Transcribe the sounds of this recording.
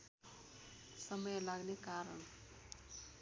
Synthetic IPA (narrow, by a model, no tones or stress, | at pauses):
sʌmʌjlaɡnekaɾəɳ̃